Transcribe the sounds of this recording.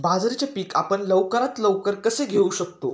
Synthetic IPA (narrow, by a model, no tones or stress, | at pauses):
bad͡zɾet͡ɕepiːkapəɳləʋkəɾat̪ləʋkəɾkəseɡʱeuɕəkt̪o